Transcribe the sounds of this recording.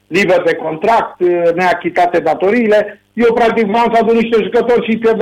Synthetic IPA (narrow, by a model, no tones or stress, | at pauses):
liberd̪e̞ko̞nt̪ɾak̚t̪neakʲit̪at̪ed̪at̪o̞ɾiːle̞ | jewpɾak̚t̪ikvansad̪uniʃt̪e̞ʒukət̪o̞rʲʃike